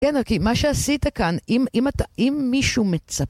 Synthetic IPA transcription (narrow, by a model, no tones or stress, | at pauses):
enokimaʃeasitakanimimataʔimːiʃumet͡sa